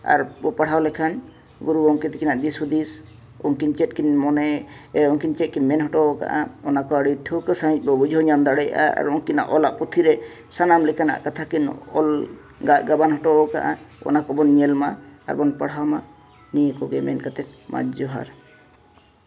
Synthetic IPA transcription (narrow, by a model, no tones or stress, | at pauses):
a̰ɾbɔpaɽ̤awlɛkʰan | buɾuɔŋkit̪ɛkinaʔd̪ishud̪is | ɔ̰ŋkint͡ʃɛt̪̚ˀkinmɔnɛɔŋkint͡ʃɛt̪̚kinmɛnɦɔʈɔɔka̰ʔa̰ɔnakɔaɽiʈʰukəsaɦit͡ʃ̚ˀbɔbud͡ʒʱɔɲamd̪aɽɛja̰a̰ɾɔŋkina̰ʔɔlaʔput̪ʰiɾɛ | sanamlɛkʰana̰ʔkat̪ʰakinɔ̰l | ɡaʔɡabanɦɔʈɔɔka̰ʔaɔ̰nakɔbɔnɲɛlmaa̰ɾbɔnpaɽ̤awma | nijekɔɡɛmɛ̰nkat̪ɛt̪̚ma̰d͡ʒɔɦa̰ɾ